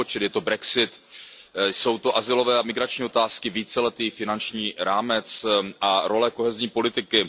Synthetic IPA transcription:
ot͡ʃɛt̪jɛt̪obɾɛksɪt̪ | so̞wt̪o̞ʔazɪlo̞vɛːamɪɡɾat͡ʃɲiːo̞t̪aːskɪviːt͡sɛlɛt̪iːfɪnant͡ʃɲiːɾaːmɛt͡sʔaɾo̞lɛko̞ɦɛzɲiːpo̞lɪt̪ɪkɪ

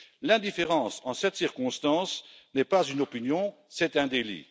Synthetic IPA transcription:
lɛ̃d̪ifeʁɑ̃sɑ̃sɛt̪siʁkɔ̃st̪ɑ̃s | nɛpazynɔpinjɔ̃ | sɛt̪ɛ̃d̪elḭ

